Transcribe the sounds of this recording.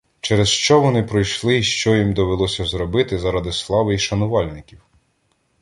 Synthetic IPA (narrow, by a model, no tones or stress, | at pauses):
t͡ʃɛɾɛzʃt͡ʃɔʋɔnɪpɾɔjʃlˠɪʃt͡ʃɔjimd̪ɔʋelˠɔsʲɐzɾɔbɪt̪ɪzɐɾɑd̪ɪslˠɑʋɪiʃɐnʊʋɑlʲnɪkʲiw